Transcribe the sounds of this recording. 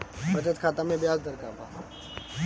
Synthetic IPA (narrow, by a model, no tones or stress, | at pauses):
ət͡ʃət̪kʰaːt̪aːmẽːbɪjaːzd̪əɾkaːba̰ː